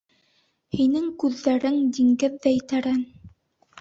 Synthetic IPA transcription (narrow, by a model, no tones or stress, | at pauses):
hinɘŋkʉðːæɾɘŋd̪iŋɡɘðːæjɘt̪æɾæn